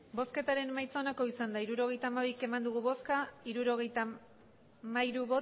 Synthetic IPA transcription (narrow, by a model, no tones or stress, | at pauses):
bo̞ske̞t̪aɾe̞nmajt͡saonako̞isand̪aiɾuɾo̞ɣ̞e̞jt̪aːmaβike̞mand̪uɣ̞uβo̞skaiɾuɾo̞ɣ̞e̞jt̪a | majɾuβo